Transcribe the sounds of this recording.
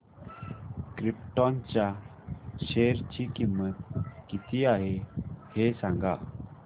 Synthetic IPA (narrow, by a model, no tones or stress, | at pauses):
kɾipʈɔnt͡ɕja | ɕeɾt͡ɕikimːət̪̚kit̪ʰiaɦehesãŋɡa̰